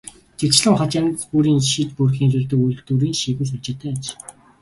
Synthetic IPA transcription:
t͡ɕit͡ɕɮə̆ŋχɔt͡ɕant͡spuɾiːnʃit̪purxiːnsɪrt̪ɘ̆kujɮ̆t̪uːɾiːŋʃiːɣɘ̆ːsut͡ɕɪ̆t̪ʰæːt͡ɕ

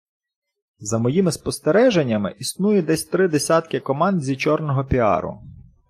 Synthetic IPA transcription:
zɐmɔjimɪspɔst̪eɾɛʒenʲːɐmɪ̰ʔisnujʊd̪ɛsʲt̪ɾɪd̪esʲat̪kɪkɔmɑnd̪zʲit͡ʃɔrnɔɦɔpʲiɑ̰ɾʊ̰

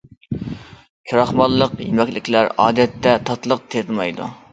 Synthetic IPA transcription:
kʲʰuɾɑχmɑlˠːəqjemɛkʲlɪkʲlæɾɑ̰ːd̪ɛt̪ːɛt̪ʰɑt̪lˠəq̚t̪ʰeɾlmɑjd̪ṵ

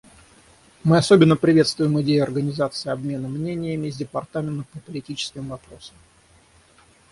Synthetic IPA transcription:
mɨɐso̞bʲɪnːəpɾʲɪvʲe̞t̪st̪vʊjɪmɪdʲejʊɐrɡənʲɪzat̪sɨɪɐbmʲe̞nəmnʲenʲɪjəmʲɪzʲdʲɪpɐrt̪amʲɪnt̪əpəpəlʲɪtʲit͡ɕɪ̥skʲɪmvɐpɾo̞səm

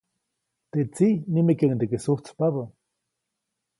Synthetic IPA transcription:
t̪et͡sinimekaŋnd̪ekesuht͡spaβa

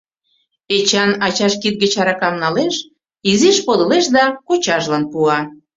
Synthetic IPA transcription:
et͡ɕɑnɑt͡ɕɑʃkit̪̚ɡət͡ɕɑɾɑkɑmnɑleʃ | iziʃpod̪ə̆leʃd̪ɑkot͡ɕɑʒlɑnpuɑ

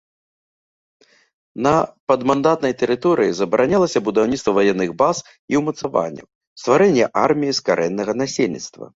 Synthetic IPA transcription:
nɐpɐd̪mand̪at̪nɐjt̪ɛɾɨt̪ɔɾɨjizɐbɐɾanʲalˠɐsʲɐbud̪awnʲit̪t̪vɐvajɛnːɨɣbas | iwmɐt̪sava̰nʲːɐ̰w | st̪vaɾɛnʲːɛʔa̰rmʲijiskaɾʔɛnːɐɣɐnasʲelʲnʲḭt̪st̪vɐ̰

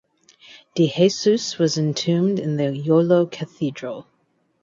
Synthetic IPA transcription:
d̥iheɪsʉswʌzɨ̃ntʰʉ̃mdɪ̃nðəjoloʊkʰɨθidɹəlˠ

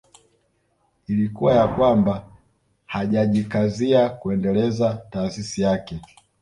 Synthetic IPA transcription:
ilikuwajakwamba | haʄaʄikaziakuɛndɛlɛzataːsisijakɛ

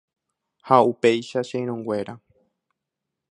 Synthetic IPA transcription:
haupe̞jʃaʃẽj̃ɾ̃õŋɡʷe̞ɾa

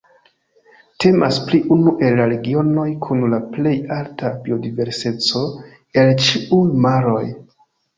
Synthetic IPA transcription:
te̞maspliʔunuʔe̞lːaɾe̞ɡio̞no̞jkʰunlaple̞jaltʰabio̞dive̞ɾse̞t͡so̞ | e̞lt͡ʃiujmaɾo̞j

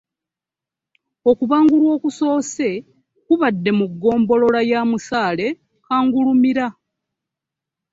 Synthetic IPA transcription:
o̞kuβaːŋɡulwo̞ːkuso̞ːse̞ | kuβadːe̞muɡːo̞ːmbo̞lo̞lajaːmusaːle̞ | kaːŋɡulumiɾa

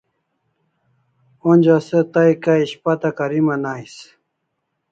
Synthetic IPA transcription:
onʲd͡ʑaset̪ajkaiɕpat̪akaɾimanajs

